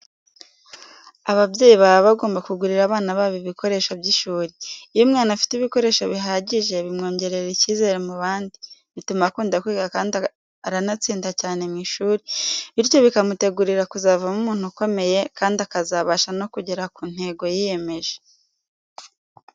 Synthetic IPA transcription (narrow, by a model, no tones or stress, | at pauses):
aβabje̞ːjiβaɾaβaɡoːmbakuɡuɾiɾaβaːnaβaβiβiko̞ɾe̞ːʃobɟiʃuːɾiːjomŋaːnafi̥tiβiko̞ɾe̞ːʃoβiɦaːɟiʒe̞βimŋo̞ːɲɟe̞ɾe̞ɾiciːze̞ɾemuβaːndiβitumakuːndakwiːkakaːndi | aɾanat͡siːndacaːne̞mŋiːʃuːɾiβiɾco̞βikamute̞ɡuɾiɾakuzaːvamumuːn̥huko̞me̞je̞kaːndiakazaβaʃano̞kuɟeɾakuːn̥he̞ɡo̞jije̞me̞ʒe